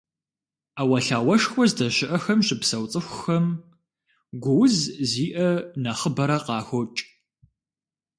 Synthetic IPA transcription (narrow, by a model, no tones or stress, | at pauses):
awɐɬaːwɐʂxʷɔzdɐɕɪʔɐxɐmɕʼɪpsɐwt͡sʼɨxʷʊxɐm | ɡʷʊwzziːʔɐnaχəbɐɾɐqɑːxʷɔt͡ʃʼ